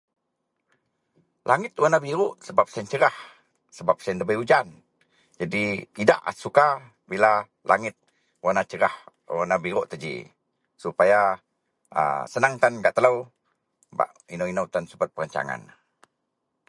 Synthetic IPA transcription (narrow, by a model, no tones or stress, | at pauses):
lʔaŋɪt̪wanabiɾuʔsəbap̚səənt͡ʃəɾah | səbap̚saəndəbəjud͡ʒan | d͡ʒadit̪ida̰ʔsuka | bila | lʔa̰ŋɪt̪̚ | wanat͡ʃəɾah | wanabiɾuʔt̪əd͡ʒḭ | supaja | ə̰sənaŋt̪anɡaʔt̪ələw | ba̰ʔ | inowinəwt̪ansubat̪̚pəɾaɲt͡ʃa̰ŋa̰n